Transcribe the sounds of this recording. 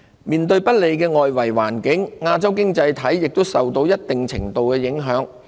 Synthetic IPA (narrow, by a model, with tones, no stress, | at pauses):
miː˨nt̪ɵ˧ɥpɐ˥t̚le˨˧jkɛː˧ŋɔː˨jwɐ˨˩jwaː˨˩nkɪ˨˥ŋŋaː˧t͡sɐ˥wkɪ˥ŋt͡sɐ˧jt̪ʰɐ˨˥jːɪ˨k̚t̪o˥wsɐ˨wt̪o˧wjɐ˥t̚t̪ɪ˨ŋt͡sʰɪ̰˨˩ŋt̪o˨wkɛː˧jɪ˨˥ŋɦœː˨˥ŋ